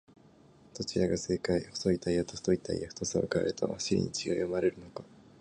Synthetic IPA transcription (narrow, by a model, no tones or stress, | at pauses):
t̪o̞t͡ɕiɾaɡase̞ːkaio̥so̞it̪aiat̪ost̪o̞it̪a̰ḭaɸɯ̥t̪osao̰kaḛɾɯt̪o̰haɕiɾʲḭɲ̟it͡ɕiɡajomaɾe̞ɾɯ̟no̞ka